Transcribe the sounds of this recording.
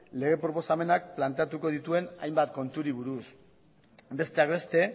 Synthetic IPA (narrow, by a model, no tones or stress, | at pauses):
le̞ɣ̞epɾo̞po̞same̞nak̚plant̪e̞at̪uko̞ð̞it̪ue̞na̰jmbat̪̚ko̞nt̪uɾiβ̞uɾus | be̞st̪e̞akbe̞st̪e̞